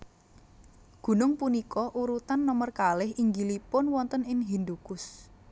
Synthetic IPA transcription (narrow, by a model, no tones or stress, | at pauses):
ɡ̥ṳnʊŋpunikɔʔuɾut̪anːɔmərkalɪhʔiŋɡilipʊnwɔnt̪ənɪŋɦind̪uɡ̥ʊs